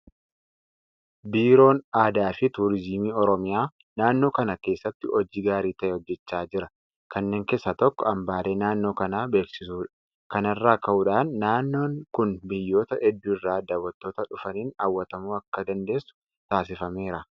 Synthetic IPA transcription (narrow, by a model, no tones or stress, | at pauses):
biːɾo̞ːnaːd̪aːfɪt̪uːɾɪzimiːɔɾɔmɪjaː | naːnːo̞ːkɐnɐke̞ːsːɐt̪ːɪʔɔd͡ʒiːɡaːɾiːt̪ɐʔɛɔd͡ʒːɛt͡ʃːaːd͡ʒɪɾɐ | kɐnːeːŋkeːsːɐt̪ɔkːɔɐmbaːle̞ːnaːnːo̞ːkɐnaːbe̞ːksɪsuːᶑɐ̥ | kɐnɐrːaːkɐʔuːᶑaːnːaːnːo̞ːŋkʊnbɪjːo̞ːt̪ɐʔɛd̪ːʊɪrːaːd̪ɐwɐt̪ːo̞ːt̪ɐᶑʊfɐniːnɐːwːɐt̪ɐmuːɐkːɐd̪ɐnd̪e̞ːsːʊ̥ | t̪aːsɪfɐme̞ːɾɐ